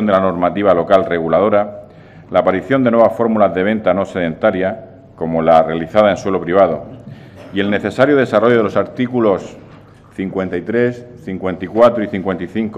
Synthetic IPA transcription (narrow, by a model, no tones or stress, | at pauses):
ond̪elano̞ɾmat̪iβ̞alo̞kalre̞ɣulað̞o̞ɾa | laːpaɾiθjo̞nd̪enweβafo̞ɾmulazðe̞β̞ẽ̞nt̪ano̞seðẽ̞nt̪aɾja | ko̞mo̞lare̞aliθaðaenswe̞lo̞pɾiβ̞að̞o̞ | ie̞lne̞θe̞saɾjoð̞e̞saro̞ʝoðelo̞saɾt̪ikulo̞s | θiŋkwe̞nt̪ait̪ɾe̞sθiŋkwe̞nt̪ikwat̪ɾoiθiŋkwe̞nt̪iθiŋk